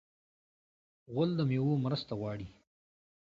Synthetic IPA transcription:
ɣʊld̪əmewomɾəst̪aɣwɑːɽi

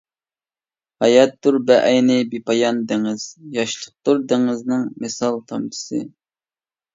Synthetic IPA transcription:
hɑjɛt̪duɾbɛʔɛjnɪbipɑjɑnd̪ɪŋɪz̥jɑʃlˠəq̚t̪uɾd̪ɪŋɪznɨŋmɪsɑlˠt̪ʰɑmt̪ʰɨ̥sɨ̰

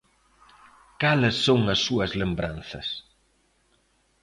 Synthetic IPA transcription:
kalɐsːoŋɐsːuɐzlembɾanθɐs

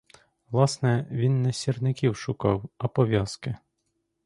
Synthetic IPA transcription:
ʋlˠɑsnɛʋʲinːɛsʲirnɪkʲiwʃʊkɑwɐpɔʋʲjɑskɪ

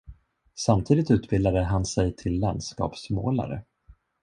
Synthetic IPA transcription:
samt̪ʰiːd̪ɪt̪ʉ̟ːt̪bɪld̪ad̪əɦansɛjt̪ʰɪlːand̪skɑ̰ːpsmo̰ːla̰ɾə̰

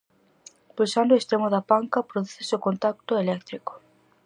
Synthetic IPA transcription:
pujsand̪oest̪ɾemoðapaŋkapɾoðuθesɪokont̪ak̚t̪ʊelɛk̚t̪ɾiko̥

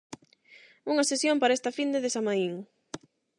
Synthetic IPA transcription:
uŋɐsesjompaɾaest̪ɐfind̪eðesamaiŋ

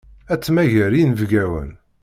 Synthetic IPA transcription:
æt͡sːmæʝæɾinvɡæwə̰n

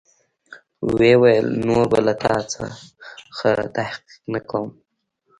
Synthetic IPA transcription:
wewajəlnoɾbalat̪ʰɑt͡sa̰ | xət̪ahqi̥qnakʰawm

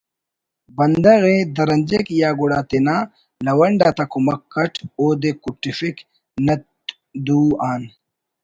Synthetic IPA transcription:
bɐnd̪ɐɣed̪ɐɾɐnʲd͡ʑekjaːɡuɽaːt̪enaː | lɐwɐɳɖaːt̪ɐkumɐkːɐʈoːd̪ekuʈːifik | nɐt̪ | d̪uːaːn

